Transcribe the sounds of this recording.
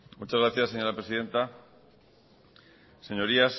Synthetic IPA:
mut͡ʃazɣɾaθjasːe̞ɲo̞ɾapɾesiðe̞nt̪a | se̞ɲo̞ɾias

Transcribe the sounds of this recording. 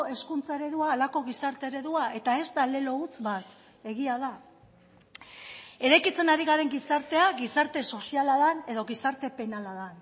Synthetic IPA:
e̞skunt͡sae̞ɾe̞ðuaːlako̞ɣisaɾt̪e̞eɾe̞ðuaʔe̞t̪ae̞zt̪ale̞lo̞ut͡sβat̪ | e̞ɣiaða | e̞ɾajkit͡se̞naɾiɣaɾe̞ŋɡisaɾt̪e̞aɣisaɾt̪e̞so̞sialaðane̞ðo̞ɣisaɾt̪e̞pe̞nalaðan

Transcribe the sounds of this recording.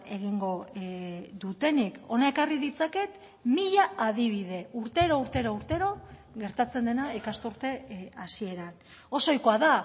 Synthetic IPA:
e̞ɣ̞iŋɡo̞ | ðut̪e̞nikʰo̞nae̞kariðit͡sake̞t̪ | miʎaaðiβ̞iðe̞uɾt̪e̞ɾouɾt̪eɾouɾt̪e̞ɾo̞ɣe̞ɾt̪at͡se̞nd̪e̞naekast̪uɾt̪e̞asie̞ɾan | o̞so̞jko̞aða

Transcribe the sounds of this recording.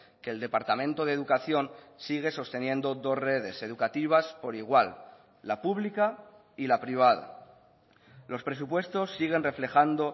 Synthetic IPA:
ke̞ːld̪e̞paɾt̪amẽnt̪o̞ðeðukaθjo̞nsiɣ̞e̞so̞st̪e̞njẽ̞nd̪o̞ðo̞zre̞ð̞e̞se̞ð̞ukat̪iβ̞aspo̞ɾiɣ̞walː | apuβlika | ilapɾiβ̞að̞a̰ | lo̞spɾe̞s̬upwe̞st̪o̞sːiɣ̞e̞nre̞fle̞xand̪o

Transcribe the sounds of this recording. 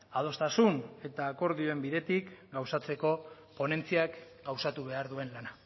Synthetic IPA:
að̞o̞st̪asune̞t̪aːko̞ɾðio̞e̞mbiðe̞t̪ikɡawsat͡se̞ko̞ | po̞ne̞nt͡siak | ɡawsat̪uβe̞aɾðue̞nlana

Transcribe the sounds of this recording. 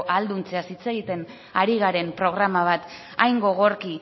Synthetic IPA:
ʔald̪unt͡seasit͡se̞ɣit̪e̞n | aɾiɣaɾe̞mpɾo̞ɣ̞ɾamaβ̞at̪ | a̰jŋɡo̞ɣo̞ɾki

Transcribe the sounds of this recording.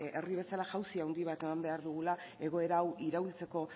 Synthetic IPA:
e̞riβe̞salaʝawsiawnd̪iβ̞at̪e̞mambe̞aɾðuɣ̞ulae̞ɣ̞o̞e̞ɾaːwiɾault͡se̞ko̞

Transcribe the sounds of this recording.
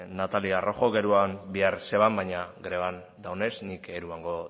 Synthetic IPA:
nat̪aliaro̞xo̞ɣe̞ɾuambiarse̞β̞ambajɲaɡɾe̞βan | d̪awne̞snike̞ɾuaŋɡo

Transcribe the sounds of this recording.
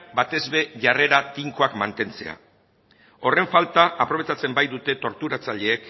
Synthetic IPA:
bat̪e̞zβe̞ʝare̞ɾat̪iŋkoakmant̪e̞nt͡se̞̰a̰ | o̞re̞ɱfalt̪aʔapɾoe̞t͡sat͡se̞mbajðut̪e̞t̪o̞ɾt̪uɾat͡saʎe̞ːk

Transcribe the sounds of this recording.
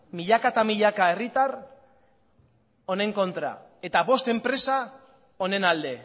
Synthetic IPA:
miʎakat̪amiʎakae̞rit̪ar | o̞ne̞ŋko̞nt̪ɾa̰ | e̞t̪aβo̞st̪e̞mpɾe̞sa | o̞ne̞nald̪e̞

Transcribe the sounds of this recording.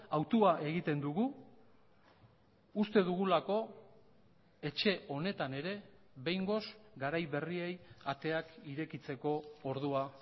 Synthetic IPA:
awt̪uaʔe̞ɣit̪e̞nd̪uɣu | ust̪e̞ðuɣ̞ulako̞ | e̞t͡ʃe̞o̞ne̞t̪ane̞ɾe̞ | βe̞jŋɡo̞sɡaɾajβe̞rie̞jat̪e̞akiɾe̞kit͡se̞ko̞ːɾðua

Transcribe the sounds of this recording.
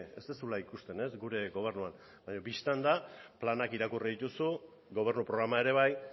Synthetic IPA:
e̞zt̪esulaikust̪e̞ne̞zɡuɾe̞ɣo̞β̞e̞rnuan | baɲo̞bist̪and̪aplanakiɾakuriðit̪usu | ɣo̞β̞e̞ɾnupɾo̞ɣɾamae̞ɾe̞β̞aj

